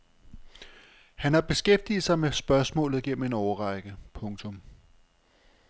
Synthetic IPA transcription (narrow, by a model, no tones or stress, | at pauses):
hænhɑ̈b̥e̝sɡ̥efd̥ḭːð̩ˠsɑ̈ɪmesb̥ɶɐsmɔ̰̽ːlð̩ˠiɡ̥en̰m̩e̝nɒʊɐʁɑ̈ɪɡ̥əpʰɔ̽ŋt͡sʰɔ̽m